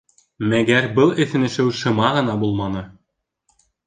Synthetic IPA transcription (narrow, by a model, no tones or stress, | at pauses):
mæɡærbɤ̆lˠĕθɘ̆nɘ̆ʃɘ̆wʃɤ̆mɑʁɤ̆nɑbulˠmɑnɤ̆